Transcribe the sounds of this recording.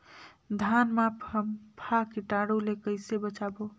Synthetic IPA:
d̪ʱanmapɦəmpʰakiʈaɽulekəɪsebət͡ʃabo

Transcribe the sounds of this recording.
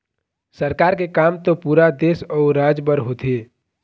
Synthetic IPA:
səɾkaːɾkekaːmt̪opuːɾad̪eːsɔːɾːaːd͡ʒbəɾɦot̪e

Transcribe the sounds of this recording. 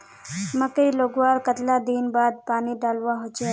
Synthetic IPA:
məkəiloːɡʋaɾkət̪lad̪inbaːd̪̚paːniɖaːlʋaɦot͡ʃʰe

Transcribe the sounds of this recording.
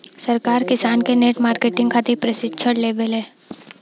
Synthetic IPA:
sɐɾkaːɾkɪsaːnkeneːʈmaːɾkeːʈɪ̃ŋɡkʰaːt̪epɾəsɪt͡ʃʰəʈleːbəlɦɛ̃ː

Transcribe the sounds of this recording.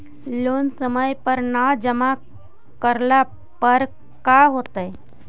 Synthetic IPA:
loːnsəməjpəɾnad͡ʒəma | kəɾla | pəɾ | kaɦot̪əj

